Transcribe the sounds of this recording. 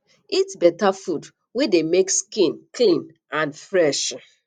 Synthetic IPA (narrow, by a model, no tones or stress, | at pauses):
itsbɛtafud | wedemekskĩnklĩn | ãnfɹɛʃ